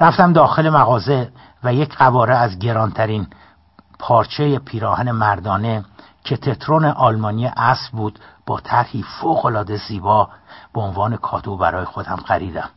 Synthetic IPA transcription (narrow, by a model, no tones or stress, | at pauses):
ɾæft̪æmd̪ɒːxe̞le̞mæɣɒːze̞ | væje̞cʰɢævɒːɾeæzɟe̞ɾɒːnt̪ʰæɾiːn | pʰɒːɾt͡ʃʰe̞jepʰiːɾɒːhæne̞mæɾd̪ɒːne̞ | cʰe̞t̪ʰe̞t̪ʰɾoneʔɒːlmɒːnijeʔæsbuːd̪̥b̥ɒːt̪ʰæɾhiːfoːɣo̞lɒːd̪e̞ziːbɒːb̥eonvɒːne̞kʰɒːt̪ʰobæɾɒːjexo̞d̪æmɢæɾiːd̪æm